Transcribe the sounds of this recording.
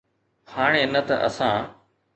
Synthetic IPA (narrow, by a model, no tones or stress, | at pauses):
haːɽ̃eːnɐt̪ɐ̰ʔə̰sãː